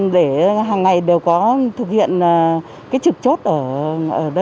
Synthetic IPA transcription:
ɗe˧˩ɦaː˨˩ŋːa˨˩jɗe˨˩wkɔ˨˦t̪ʰɨ˨˩k̚hḭ˧˨ənː˨˩ | kaː˨˦jt͡ɕɨ˨˩k̚t͡ɕo˦˥t̚ʔəː˧˩ʔəː˧˩ɗə˧

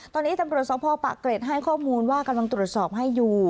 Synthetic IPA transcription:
t̪ɔː˧nːiː˦˥t̪a˧mɾu˨˩ət̪̚sɔː˨˦˥pʰɔː˧pa̰˨˩kːɾeː˨˩t̪̚ɦa˥˩jkʰɔː˥˩muː˧nwaː˥˩ka˧mla˧ŋt̪ɾu˨˩ət̪̚sɔː˨˩p̚ɦa˥˩jːuː˨˩

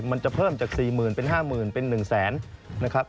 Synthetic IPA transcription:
ma˧nt͡ɕa˨˩pʰɤː˥˩mt͡ɕaː˨˩k̚siː˨˩mɯː˨˩npe˧nɦaː˥˩mɯː˨˩npe˧nːɯ˨˩ŋsɛː˩˦nna˦˥kʰɾa˦˥p̚

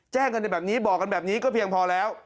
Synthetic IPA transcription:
t͡ɕɛː˥˩ŋka˧nː˧˩bɛː˨˩p̚niː˦˥bɔː˨˩k̚ːa˧nbɛː˨˩p̚niː˦˥kɔː˥˩pʰi˧əŋpʰɔː˧lɛː˦˥w

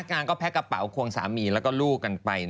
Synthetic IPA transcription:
k̚ŋaː˧nkɔː˥˩pʰɛ˦˥ka˧˩pa̰˩˦wkʰu˧əŋsaː˩˦miː˧lɛː˦˥wkɔː˥˩luː˥˩kːa˧npa˧j

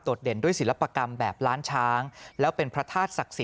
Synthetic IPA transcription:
doː˨˩t̪̚de˨˩˦ndu˥˩əjsi˩˦la˦˥pːa˧ka˧mbɛː˨˩p̚ɾaː˦˥nt͡ɕʰaː˦˥ŋlɛː˦˥wpe˧npʰɾa˦˥t̪ʰaː˥˩t̪̚sa˨˩k̚si˨˩˦

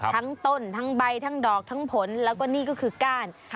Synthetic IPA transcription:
t̪ʰa˦˥ŋt̪o˥˩nt̪ʰa˦˥ŋba˧jt̪ʰa˦˥ŋdɔː˨˩k̚t̪ʰa˦˥ŋpʰo˩˦nlɛː˦˥wkɔː˥˩niː˥˩kɔː˥˩kʰɯː˧kaː˥˩n

